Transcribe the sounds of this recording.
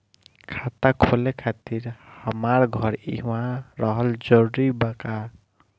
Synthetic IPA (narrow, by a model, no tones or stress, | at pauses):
kʰat̪akʰolekʰat̪iɾhamaɾɡʱʌɾiɦuwãɾʌɦʌld͡ʒɔɾɾibaka